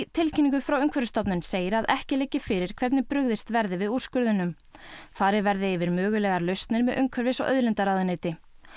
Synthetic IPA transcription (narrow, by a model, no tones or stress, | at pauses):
t̪ʰɪlcʰɪniŋkʏfɾawʏŋkʰvɛɾvɪst̪ɔpnʏnseːjɪɾaðʔɛhcɪleːjcɪfɪɾɪɾ̥kʰv̥ɛɾt̪nɪpɾʏɣðɪst̪vɛɾðɪvɪður̥skʏɾðʏnʏm | faːɾɪvɛɾðɪːvɪɾmœːɣʏlɛːɣaɾlœɥst̪nɪɾmɛðʔʏŋkʰvɛɾvɪsɔ̰wʔœ̰ðlɪnt̪aɾaːðʏneːt̪ɪ